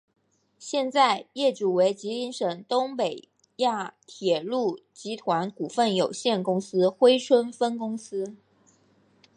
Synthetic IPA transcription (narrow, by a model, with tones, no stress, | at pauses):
ɕjɛ˥˧nt͡sa˥˧ɪjɛ˥˩ʈ͡ʂu˨˩we˧˥ɪt͡ɕi˧˥li˧˥nʂɤ˨˩ŋt̪ʊ˥ŋpe˨˩ɪ | ja˥˩t̪ʰjɛ˨˩lu˥˩t͡ɕi˧˥t̪ʰwa˧˥nku˨˩fə˥˩njo˨˩ʊɕjɛ˥˩nkʊ˥ŋsɹ̩˥xwe˥ɪʈ͡ʂʰwə˥nfə˥nkʊ˥ŋsɹ̩˥